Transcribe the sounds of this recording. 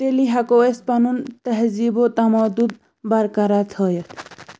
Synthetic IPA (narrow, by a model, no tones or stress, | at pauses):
t̪eliɦakoespanunt̪ɐɦzibot̪amɔd̪ud̪̚ | baɾkaɾat͡sʰʌjet̪ʰ